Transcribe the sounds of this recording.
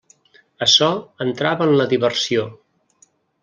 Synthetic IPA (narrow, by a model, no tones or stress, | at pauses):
əsɔənt̪ɾaβəənləðiβərsio